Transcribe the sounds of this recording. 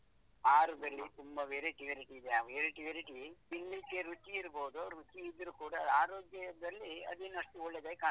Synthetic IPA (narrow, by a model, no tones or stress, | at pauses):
aːɾuɡɐlːit̪umbɐʋeːɾeʈiʋɐɾiʈiːd̪eaʋʋeːɾeʈiʋɐɾiʈiiŋɡlit͡ʃeɾut͡ʃiːɾboːd̪uɾut͡ʃiːd̪ːɾukuːɽɐaːɾoːɡjɐd̪ɐlːiɐ̰d̪eːnuɐʂʈuɔɭːed̪ɐkaː